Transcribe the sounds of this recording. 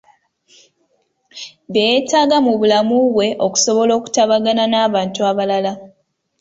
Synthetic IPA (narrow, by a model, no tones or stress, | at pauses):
βejetaːɡamuβulamuβwe̞ʔo̞ku̥so̞βo̞lo̞ːku̥taβaɡananaːβaːntuaβalala